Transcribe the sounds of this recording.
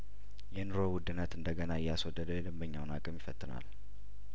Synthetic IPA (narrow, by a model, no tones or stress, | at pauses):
jɛnɨɾowʊd̪ɨnːət̪ɨnd̪əɡənaɪjaswɔd̪ːəd̪əjɛd̪ɨmbəɲːawnakʼəmjɪfət̪ʼːɨna̰l